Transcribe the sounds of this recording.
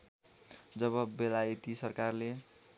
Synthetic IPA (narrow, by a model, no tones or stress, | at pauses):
d͡zʌβʌbelajit̪isʌrkarle